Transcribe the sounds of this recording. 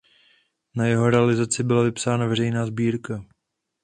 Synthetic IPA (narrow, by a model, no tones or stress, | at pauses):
najɛɦo̞ɾɛalɪzat͡sɪbɪlavɪpsaːnavɛr̝ɛjnaːzbiːɾka